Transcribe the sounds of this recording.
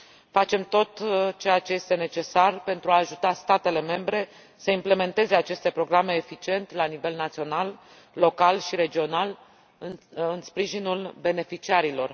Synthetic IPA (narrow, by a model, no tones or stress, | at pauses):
fat͡ʃe̞mt̪o̞t̪t͡ʃe̞jat͡ʃe̞je̞st̪e̞ne̞t͡ʃe̞sarpe̞nt̪ɾuaːʒut̪ast̪at̪e̞le̞me̞mbɾe̞ | səimple̞me̞nt̪e̞ze̞at͡ʃe̞st̪e̞pɾo̞ɡɾame̞ːfit͡ʃie̞nt̪elanive̞lnat̪sio̞nalː | o̞kalʃiɾe̞d͡ʒio̞nal | ɨnɨnspɾiʒinulbe̞ne̞fit͡ʃiaɾilo̞r